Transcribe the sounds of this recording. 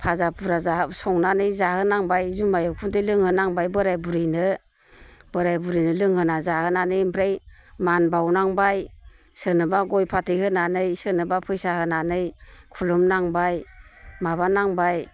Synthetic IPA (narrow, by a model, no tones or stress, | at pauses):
pʰazapʰuɾazasɔŋnanɯjzahɯnaŋbajzumajɔkʰundelɯŋhɯnaŋbajbɯɾajbuɾɯjnɯ | bɯɾajbuɾijnɯlɯŋhɯnazahɯnanɯjmpʰɾejmanbawnaŋbaj | sɯnɯbaɡɔjpʰatʰɯjhɯnanɯjsɯnɯbapʰɯjsahɯnanɯjkʰulumnaŋbajmaβanaŋbaj